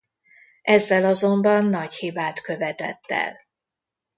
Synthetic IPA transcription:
ʔɛzːɛlɒzo̞mbɒnːɒɟhibaːt̪køvɛt̪ɛ̰t̪ːɛ̰l

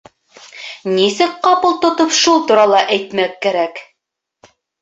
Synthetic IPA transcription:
nisɘk̚qɑpɤlˠt̪ŏt̪opʃulˠt̪uɾɑlˠɑʔæjt̪mækːæɾæk

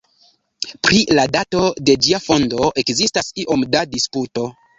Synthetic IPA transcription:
pɾiladato̞de̞d͡ʒiafo̞ndo̞ʔe̞kzistasiʔo̞mdadisputo̞

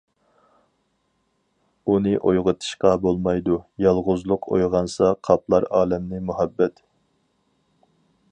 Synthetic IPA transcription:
unɨʔojʁət̪ʰɨ̥ʃqɑbolˠmɑjd̪ujɑlˠʁʊzlˠʊqʰo̰jʁɑnsɑqʰɑplˠɑɾɑːlɛmnɨmuhɛbːɛt̪

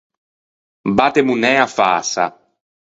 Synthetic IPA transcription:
bat̪emunɛafa̰ːsa̰

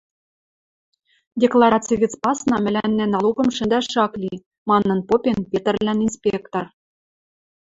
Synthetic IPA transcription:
dʲeklˠɑɾɑt͡siɣɘ̆t͡spɑsnɑmɘ̆lænːæ̆nɑlˠuɣɤ̆mʃɘ̆nd̪æʃɑklʲi | mɑnːɤ̆npopʲenpʲet̪ɘ̆rlʲæninspʲekt̪or

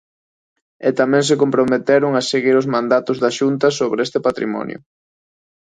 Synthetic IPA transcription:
et̪amɛ̃ŋs̬ekompɾomet̪ɛɾʊŋaseɣiɾʊzmãnd̪at̪ʊzðaʃunt̪ɐsoβɾest̪epat̪ɾḭmɔ̰njʊ̰

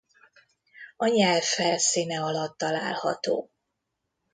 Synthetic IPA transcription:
ɒɲɛlfɛlsiːnɛɒlɒt̪ːɒla̰ːlhɒ̰t̪o̰ː

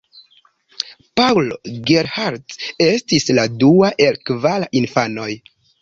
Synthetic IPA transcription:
pawloɡeɾhaɾte̞stisladuaʔe̞lkvalaʔinfano̞j

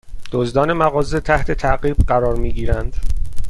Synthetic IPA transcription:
d̪̥ozd̪ɒːne̞mæɣɒːze̞t̪ʰæht̪ʰe̞t̪ʰæʔɢiːbɢæɾɒːɾmiːɟiːɾænd̪̥

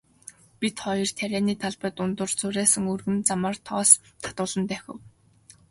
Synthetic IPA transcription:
pit̪χɔjɞ̆r̥t̪ʰæɾʲæːniːt̪ʰaɮpə̆t̪ʊnt̪ə̆rt͡sʊɾæːsɘ̆ŋɵrɣɘ̆nt͡samə̆rt̪ʰɔːst̪ʰḁt̪ʊːɮə̆nt̪æxʲɘ̰̆w

